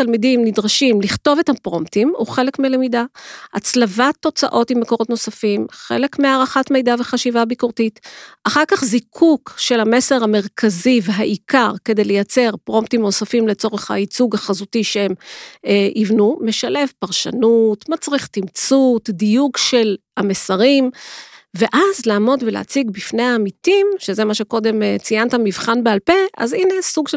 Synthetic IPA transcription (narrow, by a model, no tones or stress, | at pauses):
t̪almidimnidʁaʃimliχto̞vethapʁo̞mptimuχe̞lekmelemidaat͡slavat̪ːo̞t͡sa̰ʔo̞timːeko̞ʁo̞tno̞safimχḛle̞kmeaːʁaχatmejdave̞χaʃivabikuʁtitaχaʁkaχzikʰukʃe̞lhame̞se̞ʁhame̞ʁkʰaziveɦaʔikaʁke̞de̞jlejat͡se̞ʁpʁo̞mptimno̞safimlet͡so̞ʁeχha̰it͡suɡhaχazutiʃeem | ʔivnume̞ʃale̞vpaʁʃa̰nutmat͡sʁiχt̪imt͡sutdijuɡʃe̞lhamesaʁimve̞ʔazlaːmo̞dvelḛat͡siɡbifne̞jaːmitimʃezemaʃeko̞de̞mt͡sijant̪amivχanbealpe̞ʔa̰zinesuɡʃ